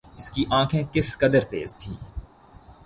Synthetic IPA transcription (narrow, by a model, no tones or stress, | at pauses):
ɪskiʔãːkʰẽkɪskɐd̪əɾt̪ḛːzt̪ʰiː